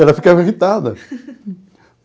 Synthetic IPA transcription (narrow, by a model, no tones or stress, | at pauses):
ɛlɐfikaviʁit̪ad̪ɐ̰